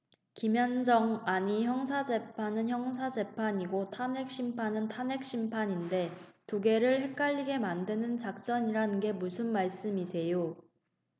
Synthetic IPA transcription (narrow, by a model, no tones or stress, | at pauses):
kimjʌnd͡ʑʌŋaɲiçjʌŋs̬ʰad͡ʑe̞pʰanɯnçjʌŋs̬ʰad͡ʑe̞pʰaɲiɡotʰane̞k̚ɕ͈impʰanɯntʰane̞k̚ɕ͈ʰimpʰaɲinde̞tuɡe̞ɾɯɭɦe̞k̚k͈aʎːiɡe̞mandenɯnt͡ɕak̚t͡ɕ͈ʌɲiɾanɯnɡe̞musʰɯnmaɭs͈ɯmisʰe̞jo